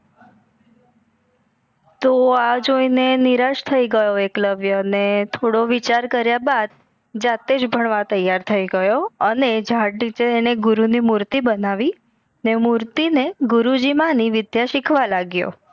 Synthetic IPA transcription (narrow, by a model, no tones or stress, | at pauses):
t̪oad͡ʒoineniɾaʃt̪ʰəiɡəjoekləʋjəənet̪ʰoɽoʋit͡ʃaɾkəɾjabad̪ | d͡ʒat̪ed͡ʒbʱəɳ̃ʋat̪əjːaɾt̪ʰəiɡəjoəned͡ʒʱaʈnit͡ʃeːneɡuɾunimuɾt̪ibənaʋi | nemuɾt̪ineɡuɾud͡ʒimãniʋɪd̪jaʃikʰʋalaɡjo̰